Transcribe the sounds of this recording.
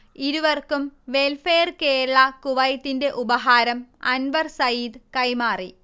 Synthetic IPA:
iɾuʋɐrkumʋelfeːrke̞ːɾɐɭɐkuʋɐjɐt̪ːinde̞ʔubɐɦaːɾɐmɐnʋɐrsɐjiːd̪kɐjmaːri

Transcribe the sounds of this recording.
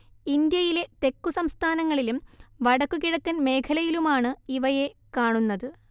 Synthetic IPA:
ind̪jɐjile̞t̪e̞kːusɐmst̪ʰaːnɐŋːɐɭilumʋɐɽɐkːukiɻɐkːɐnme̞ːkʰɐlɐjilumaːɳɨiʋɐje̞kaːɳunːɐðɨ

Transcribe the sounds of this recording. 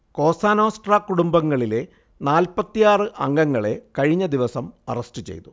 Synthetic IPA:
ko̞ːsaːno̞ːsʈrakːuɽumbɐŋːɐɭile̞ | naːlpɐt̪ːijaːrɨʔɐŋɡɐŋːɐɭe̞kɐɻiɲːɐd̪iʋɐsɐmɐ̰rɐsʈɨt͡ɕe̞̰jt̪u

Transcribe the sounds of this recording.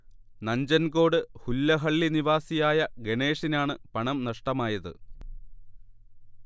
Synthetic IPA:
nɐɲd͡ʑɐnɡo̞ːɽɨhulːɐɦɐɭːiniʋaːsijaːjɐɡe̞ɳe̞ːʂinaːɳɨpɐɳɐmnɐʂʈɐmaːjɐðɨ̰

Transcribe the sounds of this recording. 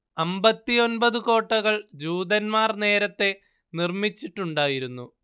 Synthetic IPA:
ɐmbɐt̪ːijo̞nbɐðɨko̞ːʈːɐɣɐɭd͡ʑuːd̪ɐnmaːrne̞ːɾɐt̪ːe̞ | nirmit͡ɕːiʈːuɳɖaːjiɾunːu

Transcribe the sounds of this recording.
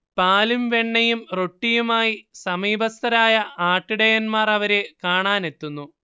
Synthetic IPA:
paːlumʋe̞ɳːɐjumro̞ʈːijumaːjisɐmiːbɐst̪ʰɐɾaːjɐʔaːʈːiɽejɐnmaːrɐʋɐɾekaːɳaːne̞t̪ːunːu

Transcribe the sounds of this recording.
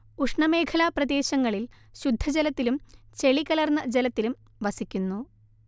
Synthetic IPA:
uʂɳɐme̞ːkʰɐlaprɐd̪e̞ːɕɐŋːɐɭil | ɕud̪ʱːɐd͡ʑelɐt̪ːilumt͡ɕe̞ɭikːɐlɐrnːɐd͡ʑelɐt̪ːilum | ʋɐsikʲːunːu

